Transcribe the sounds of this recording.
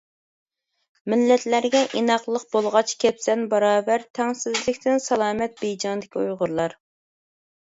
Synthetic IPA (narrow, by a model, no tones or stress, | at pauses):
mɪlːɛt̪læɾɡʲɛʔinɑqlˠəq̚bolˠʁɑt͡ʃkʲʰɛpsɛnbɑɾɑːbæɾt̪ʰɛŋsɪzlɪkʲt̪ʰɪnsɑlˠɑːmɛt̪̚bejd͡ʒɑŋd̪ɪkʲiujʁʊɾlˠɑɾ